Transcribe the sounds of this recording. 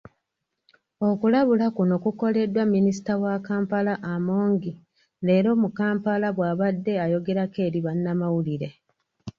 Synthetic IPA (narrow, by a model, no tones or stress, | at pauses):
o̞kulaβulakuno̞kuko̞le̞dːwamːinisi̥tawakaːmpalaʔamo̞ːŋɡi | le̞ːɾo̞ːmukaːmpalaβwaːβadːe̞ajo̞ɡe̞ɾake̞ːɾiβanːamawuliɾe̞